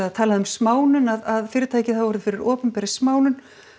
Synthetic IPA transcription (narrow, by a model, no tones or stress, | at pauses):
aðt̪ʰaːlaðʏmsmaːwnʏnaðaðfɪːɾɪ̥t̪ʰaːjcɪθawvɔɾðʏfɪɾɪɾɔːpʏnpɛːɾɪ̥smaːwnʏn